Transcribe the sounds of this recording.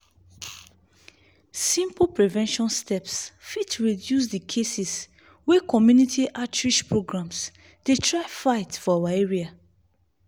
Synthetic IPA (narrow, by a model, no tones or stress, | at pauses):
sĩmplpɹivɛ̃nʃɔ̃nstʰɛpsfitʰɹidjus̬dikʰesis | wɛkɔmjunitʰiʔatɹiʃpɹoɡɹãms | detʰɹaɪfaɪtfɔawaeɹia